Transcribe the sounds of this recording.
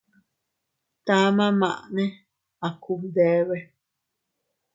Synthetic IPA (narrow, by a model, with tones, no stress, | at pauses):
t̪a˦mã˦mã˨ʔnẽ˦ | a˨ku˧md̪e˦βe˦